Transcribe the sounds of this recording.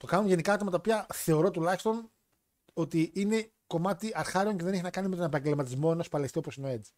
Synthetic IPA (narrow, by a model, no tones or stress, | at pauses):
t̪o̞kɐnuʝe̞nikɐɐt̪mɐt̪ɐopiɐθe̞o̞ɾo̞t̪ulɐçi̥st̪o̞n | o̞t̪iine̞ | ko̞mɐt̪iɐɾxɐɾio̞ŋceðeneçinɐkɐnime̞t̪onepɐɲɟe̞lmɐt̪̬izmo̞e̞no̞spɐlesio̞posineoe̞d͡zi̥